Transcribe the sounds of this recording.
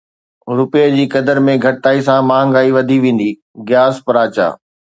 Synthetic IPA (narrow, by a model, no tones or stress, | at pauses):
ɾʊpeəd͡ʑiːkɐd̪əɾmẽɡʱɐʈt̪aːisãmãːŋɡaːiʋɐd̪ʱiʋẽːn̆d̪i | ɡjaːspɐɾaːt͡ɕa̰ː